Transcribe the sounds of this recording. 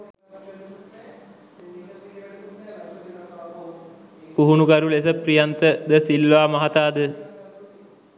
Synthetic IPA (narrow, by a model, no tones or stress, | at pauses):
puɦunuɡaɾules̬əprijant̪əd̪əsilʋaːmɐɦat̪aːd̪ə